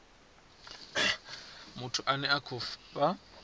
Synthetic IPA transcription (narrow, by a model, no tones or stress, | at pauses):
mʊtʰʊʔanɛakʰʊfpʼa